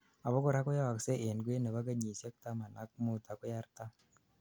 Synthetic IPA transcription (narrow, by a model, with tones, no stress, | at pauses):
a˨bɔ˦kɔ˦ɾa˦kʊ˦ja˦wa˨kse˦ʔe˨nɡwe˦na˨ba˦ɡ̬a˦ɲi˨sja˦k̚t̪a˦ma˨na˨˦k̚mu˦t̪a˨kɔ˦ja˦ɾt̪a˦